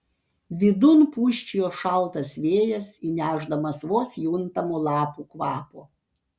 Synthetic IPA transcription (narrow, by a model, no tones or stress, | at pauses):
ʋʲɪd̪ʊnpuːʃʲt͡ʃʲijoːʃɐlˠˑt̪ɐsʋʲeːjɛsinʲæːʒd̪ɐmɐsʋoːsjuːnt̪ɐmoːlˠɑːpukʋɑːpoː